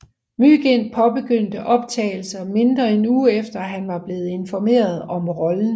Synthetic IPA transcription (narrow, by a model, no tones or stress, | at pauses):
myɡ̥en̰̥̚pʰɒ̽b̥e̝ɡ̥øn̰d̥əʔɒ̽b̥̚t͡sʰɛ̰ːɪl̩sɐme̝nd̥ʁɐe̝nuːefd̥ɐɦænʋɑ̈b̥le̝ːð̞̩ˠe̝nfɒme̝̰ːɐð̞ˠɒ̽mʁɒ̽ln̩